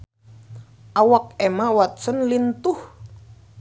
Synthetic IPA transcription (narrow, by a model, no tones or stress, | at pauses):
ʔawak̚emawat̪̚sənlint̪ʊh